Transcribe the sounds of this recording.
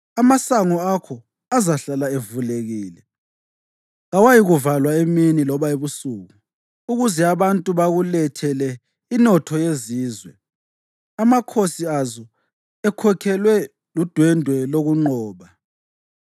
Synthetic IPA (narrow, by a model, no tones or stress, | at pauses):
amasaŋɔakʰɔ | azaɬalaevuleɣiːlɛ | ɣawajiɣuvalwaeminilɔβaeβusuːɣu | uɣuzɛaβantʼuβaɣulɛtʰɛlɛ | inɔtʰɔjeziːzwɛ | amakʰosiazɔ | ɛkʰɔkʰɛlwɛ | lud̥ʱwɛndʱwɛloɣuŋ͡ǃɔːβa